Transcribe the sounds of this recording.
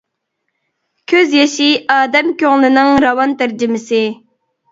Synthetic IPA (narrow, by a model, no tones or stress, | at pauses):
kʲʰøzjeʃiɑːd̪ɛmkʲøŋlˠɨnɨŋɾɑwɑnt̪æɾd͡ʒɪmɪsɪ